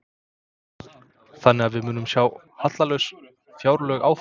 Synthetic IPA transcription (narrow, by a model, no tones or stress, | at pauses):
θanːɪɣaðvɪðmʏːnʏmsjaːw | hat̪t̪lalœɥs | fjaːwɾlœɥɣaːwf